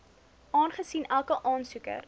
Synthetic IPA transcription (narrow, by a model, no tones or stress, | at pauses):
ʔɑːnχəsinʔælˠkəʔɑːnsukə̰r